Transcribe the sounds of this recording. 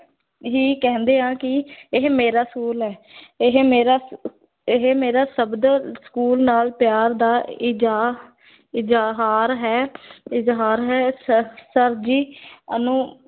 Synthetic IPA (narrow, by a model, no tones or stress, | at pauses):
ɦiːkɛ̃ːnd̪eːãːkɪɦmeːɾaːskuːlɦɛːɦmeːɾaː | ɦemeːɾaːsəbd̪sə̥kuːlnaːlpjaːɾd̪aːɪd͡ʒa | ɪd͡ʒɦaːɾɦɛːɪzɦaːɾɦɛːsəɾd͡ʒiːənũː